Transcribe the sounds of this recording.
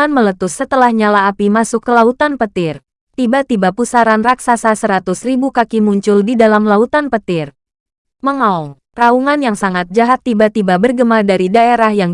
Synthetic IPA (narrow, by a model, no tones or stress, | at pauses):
anmələt̪ʊsːət̪əlahɲalaːpimasʊkːəlaut̪anpət̪ɪr | t̪ibat̪ibapusaɾanraksasasəɾat̪ʊsribukakimuɲt͡ʃʊldidalamlaut̪anpət̪ɪr | məŋaɔŋ | rauŋanjaŋsaŋat̪̚d͡ʒaɦat̪ːibat̪ibabərɡəmardaɾidaeɾahjaŋ